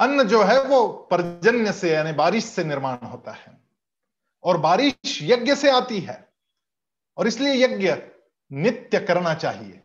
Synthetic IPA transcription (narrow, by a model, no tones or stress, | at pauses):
ɐnːəd͡ʒoːɦɛʋopɾɐd͡ʒənjəsejɐanebaːɾɪʃsenɪɾmaːñɦoːt̪ahɛː | ɔːɾbaːɾɪʃjɐɡjəseaːt̪iɦɛ̰ː | ɔːɾɪsliejɐɡjə | nɪt̪jəkɐɾnat͡ʃa̰ːɦiḛː